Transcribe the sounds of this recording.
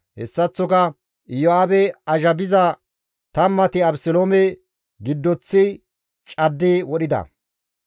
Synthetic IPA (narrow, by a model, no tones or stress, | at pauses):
hɛ̰sːɐt͡sːɔkɐ | ɪjoaːbɛɐʒɐbɪzɐ | t̪ɐmːɐt̪ɪɐbsɔloːmɛ | ɡɪd̪ːɔt͡sːɪ | t͡ʃʼɐd̪ːewɔɗɪd̪ɐ̰